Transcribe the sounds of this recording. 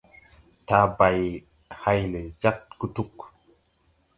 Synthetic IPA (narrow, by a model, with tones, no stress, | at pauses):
ta˨ba˨j | ha˧jle˨d͡ʒa˦k̚ɡu˦tu˦k